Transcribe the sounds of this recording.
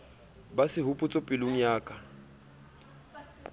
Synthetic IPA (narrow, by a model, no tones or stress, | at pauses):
basɪɦʊpʼʊt͡sʼɔpʼɪlʊŋ̩jaːkʼa